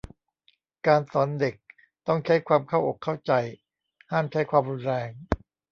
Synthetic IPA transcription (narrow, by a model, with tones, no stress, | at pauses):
kaː˧nsɔː˩˦nde˨˩k̚ | t̪ɔ˥˩ŋt͡ɕʰa˦˥jkʰwaː˧mkʰa˥˩wʔo˨˩kʰːa˥˩wt͡ɕa˧j | haː˥˩mt͡ɕʰa˦˥jkʰwaː˧mɾuː˧nɾɛː˧ŋ